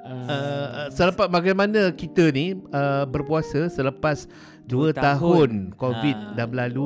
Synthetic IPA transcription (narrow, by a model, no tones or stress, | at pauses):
əsələpat̪̚maɡajmanãkit̪əniəbərpuasəsələpas | duət̪aɦʊnkovit̪̚damlalu